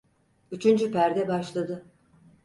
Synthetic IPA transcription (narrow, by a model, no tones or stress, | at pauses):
yt͡ʃʰynd͡ʒypæɾd̪ɛbaʃlˠad̪ɯ